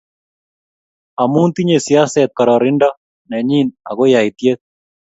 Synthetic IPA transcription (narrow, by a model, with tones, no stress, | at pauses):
a˨mu˦nt̪i˦ɲesija˦sɛt̪̚kaɾɔɾɪnɖa˦ | nɛ˨ɲi˦na˨ɡo˦ja˨it̪je˦t̪̚